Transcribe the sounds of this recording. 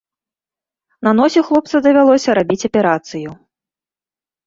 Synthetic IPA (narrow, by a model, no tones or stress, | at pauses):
nɐn̪ɔsʲixlˠɔp̚t̪sɐd̪ɐvʲalˠɔsʲɐɾabʲit͡sʲɐpʲɛɾat̪sɨju